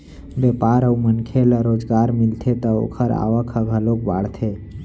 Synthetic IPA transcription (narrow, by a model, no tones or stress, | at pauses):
bepaɾəumənkʰeləɾod͡ʒɡaɾmilt̪ʰet̪əo̰kʰəɾa̰ʋəkʰəɡʱəlok̚ba̰ɽt̪ʰe